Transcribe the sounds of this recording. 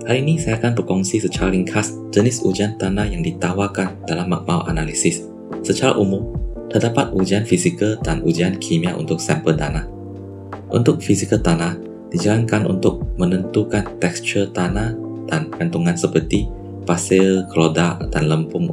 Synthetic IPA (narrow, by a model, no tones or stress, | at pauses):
halinisajakanpəkɔŋsisət͡ʃaɾaliŋkʰas | d͡ʒənɪsud͡ʒiant̪anahjaŋdit̪awakandalamːa̰k̚ma̰wʔa̰nalisɪsː | ət͡ʃaɾa̰ʔumʊmt̪ərdapat̪̚ʔud͡ʒianfisikəldanʔud͡ʒiankʰimiaʔṵnt̪ʊk̚sɛmpəldanah | ʔṵnt̪ʊk̚fisikəlt̪anah | d̥id͡ʒalaŋkanʔṵnt̪ʊk̚mə̃nənt̪ukant̪ɛkst͡ʃərt̪anad̥ankant̪uŋãnsəpərt̪i | pasɛlkʰəlodaʔd̥anləmpʊŋ